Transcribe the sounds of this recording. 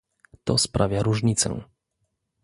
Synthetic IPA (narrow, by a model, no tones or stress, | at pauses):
t̪ɔspɾʔavʲjaɾuʐɲit̪sɛ̰̃